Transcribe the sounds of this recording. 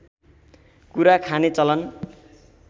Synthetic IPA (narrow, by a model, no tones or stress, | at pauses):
kuɾakʰanet͡sʌlʌn